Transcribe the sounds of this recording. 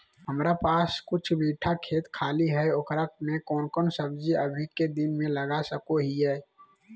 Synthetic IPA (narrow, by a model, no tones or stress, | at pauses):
ɦəmɾapaːskʊt͡ʃʰbiːʈʰakʰeːt̪kʰaːliɦɛokɾək̚mẽkɔːnkɔːnsəbd͡ʒiəbʱiked̪ɪnmẽləɡasəkoɦiɦɛː